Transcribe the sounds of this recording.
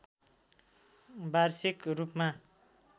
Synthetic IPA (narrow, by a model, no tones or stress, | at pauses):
barsikrupma